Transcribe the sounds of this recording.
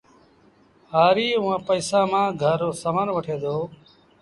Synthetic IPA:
ɦaːɾiːʊãːpəːsãːmãːɡʱəɾoːsəmənʋəʈʰeːd̪oː

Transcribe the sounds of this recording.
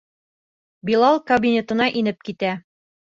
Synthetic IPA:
bilˠɑlˠkɐbʲinʲet̪ɤ̆nɑʔinɘp̚kit̪æ

